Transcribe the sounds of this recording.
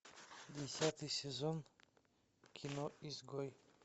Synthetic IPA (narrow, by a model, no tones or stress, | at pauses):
d̪esʲjat̪ʰisezɔn | kʰinɔizɡɔj